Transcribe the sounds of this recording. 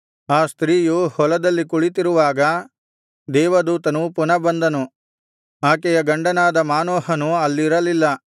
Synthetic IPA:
aːst̪ɾiːjuhɔlɐd̪ɐlːikuɭit̪iɾuʋaːɡɐ | d̪ɛːʋɐd̪uːt̪ɐnupunɐbɐnd̪ɐnu | aːkɛjɐɡɐɳɖɐnaːd̪ɐmaːnɔːhɐnuɐlːiɾɐlilːɐ

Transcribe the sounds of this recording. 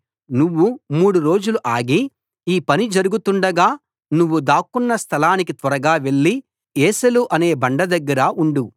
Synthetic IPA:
nuʋːumuːɽuɾo̞ːd͡ʒuluʔaːɡi | iːpɐnid͡ʒɐɾuɡut̪uɳɖɐɡaː | nuʋːud̪aːkunːɐst̪ʰɐlaːnikit̪ʋɐɾɐɡaːʋe̞ɭːi | eːsɐluʔɐne̞ːbɐɳɖɐd̪ɐɡːɐɾaʔuɳɖu

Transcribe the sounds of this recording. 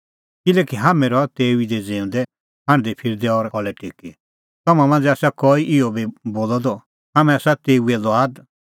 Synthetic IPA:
kɪlɛːkiɦamɛ̃ɾɔt̪eːuid̪ɛd͡zẽːũnd̪ɛ | ɦãɽ̃d̪ipʰɪɾd̪ɛɔɾɔlɛʈiki | t̪ɔmãmãːnd͡zɛaːsakɔiʔiɔbiboːlɔd̪ɔ | ɦamɛ̃asat̪eːuɛlɔaːd̪

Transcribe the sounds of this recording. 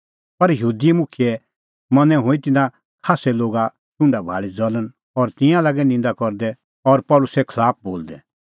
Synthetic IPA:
pɐɾjəɦuːd̪imʊkʰijɛ | mɐnɛ̃ɦʊ̃it̪ɪnã | kʰaːsɛloːɡa | t͡ʃʊ̃ɳɖabʱa̰ːɭid͡zɔlən | ɔɾt̪ɪ̃jãlaːɡɛnɪ̃nd̪akɔɾd̪ɛ | ɔɾpɔlʊsɛkʰəlaːp̚ʰboːld̪ɛ

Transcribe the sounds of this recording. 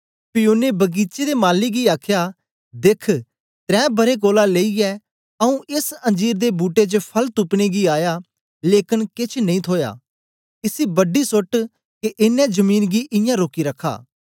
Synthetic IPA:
pɪjoːnebɐɡiːt͡ʃed̪emaːlːiɡiaːkʰja | d̪eːkʰ | t̪ɾɛ̃ːbɐɾek̬oːlaleːiɛ | ɐũʔɪsɐ̃nd͡ʒiːɾd̪ebuːʈet͡ʃəpʰɐlt̪upneɡiaːja | leːkɪnkɪt͡ʃʰnɐ̃ĩt̪ʰoːja̰ː | ɪsibɐɖisʊʈ | keʔɪnːɛ̃d͡ʒɐmiːnɡiʔɪ̃jãɾoːkiɾɐkʰːa̰ː

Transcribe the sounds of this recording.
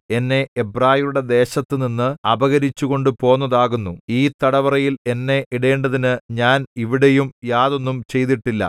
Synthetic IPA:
e̞nːe̞ebraːhimuɽe̞d̪e̞ːɕɐt̪ːɨninːɨɐbɐɣɐɾit͡ɕːuɣo̞ɳɖɨpo̞ːnːɐðaːɣunːuiːt̪ɐɽɐʋɐrɐjile̞nːe̞ʔiɽeːɳɖɐðinɨɲaːniʋiɽe̞jumjaːðo̞nːumt͡ɕe̞jt̪̬iʈːilːɐ̰

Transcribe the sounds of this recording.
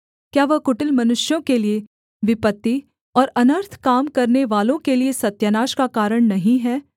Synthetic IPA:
kjaːʋɐɦkʊʈɪlmɐnʊʃjõkelie | ʋɪpət̪ːi | ɔːɾɐnəɾt̪ʰkaːmkɐɾneʋaːlõkeliesɐt̪janaːʃkakaːɾəɽ̃nɐɦĩɦɛː

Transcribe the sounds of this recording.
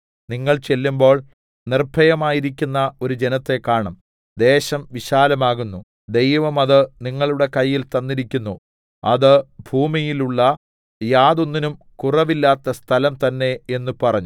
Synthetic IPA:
niŋːɐɭt͡ɕe̞lːumbo̞ːɭ | nirbʱɐjɐmaːjiɾikʲːunːɐo̞ɾud͡ʑe̞nɐt̪ːe̞kːaːɳɐm | d̪e̞ːɕɐmʋiɕaːlɐmaːɣunːu | d̪e̞jʋɐmɐðɨniŋːɐɭuɽe̞kɐjːilt̪ɐnːiɾikʲːunːu | ɐðɨbʱuːmijiluɭːɐ | jaːðo̞nːinum | kurɐʋilːaːt̪ːɐst̪ʰɐlɐmt̪ɐnːe̞enːupɐrɐɲːu

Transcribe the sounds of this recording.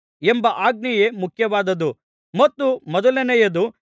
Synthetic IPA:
embɐʔaːɡ̚nijemukʰjɐʋaːd̪ɐd̪u | mɐt̪ːumɔd̪ɐlɐnɛjɐd̪u

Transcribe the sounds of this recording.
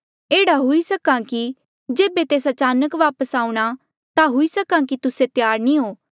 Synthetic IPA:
eːɽaɦʊisəkãki | d͡ʒeːbet̪eːsat͡ʃaːnəkʋaːpəsaːũɽ̃a | t̪aɦʊisəkãkit̪ʊset̪jaːɾnĩɦoː

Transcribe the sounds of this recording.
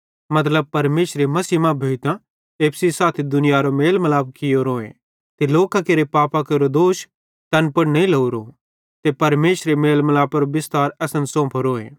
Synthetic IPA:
mɐt̪̬ləb̚pɐɾmeːʃɾemɐsiːmãbʱeːt̪ã | eːpʰsisaːt̪ʰid̪ʊnɪjaɾomeːlmɐlaːbkːɪjoɾoːḛ | t̪eloːkãkeɾepaːpakɐɾod̪oːʃ | t̪ɐnpɐɽnɐĩlɐuɾo | t̪epɐɾmeːʃɾemeːlmɐlaːpɐɾobɪst̪aːɾɛːsənsɔ̃ːpʰɾoːḛ̃ː

